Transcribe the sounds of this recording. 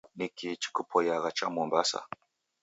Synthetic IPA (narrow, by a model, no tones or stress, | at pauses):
nikit͡ʃi̥kupʰɔjaɣat͡ʃamɔmbasa̰